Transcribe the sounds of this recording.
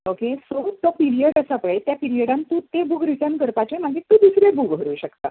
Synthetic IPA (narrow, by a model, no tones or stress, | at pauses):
okesot̪ɔpiɾiəʈəsapəɭet̪japiɾijəɽãnt̪ũt̪ebukɾiʈənkəɾpat͡ɕem̤ad͡ʑet̪ũːd̪isɾebukɦəɾuːɕəkt̪a